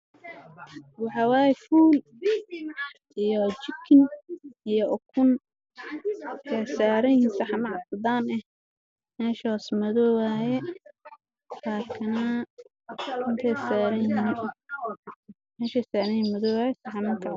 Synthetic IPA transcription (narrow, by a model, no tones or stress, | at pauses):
wɑħɑwaːjɛfuːl | ʔijɔt͡ʃɪkʰːɪnijɔʔɔkʰʊn | ɛsaːɾɐjɪhiːnsɑħɑmɐʕɑsd̪aːnɛh | mɛːʃɔsmɐðɔwaːjɛ | laːkʰɐnɐ | ɪnt̪ʰɛjsaːɾɐjin | mɛːʃɛsaːɾɐjimɐðɔwaːjɛsɑħɑmɐŋkʰaʕ